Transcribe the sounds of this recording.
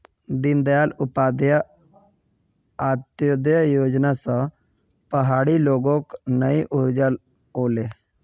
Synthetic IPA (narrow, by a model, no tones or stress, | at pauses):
d̪ɪnd̪jaːlʊpaːd̪ja | aːt̪jod̪jajoːd͡ʒnasã | pəɦaːɽiloːɡõknəiʔʊɾd͡ʒal | oːleː